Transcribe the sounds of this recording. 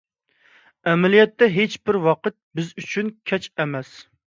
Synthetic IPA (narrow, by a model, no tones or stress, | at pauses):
ɛmɛlijɛt̪ːɛɦet͡ʃbɪɾwɑqət̪̚bɪzyt͡ʃʰynkʲʰɛt͡ʃɛmɛs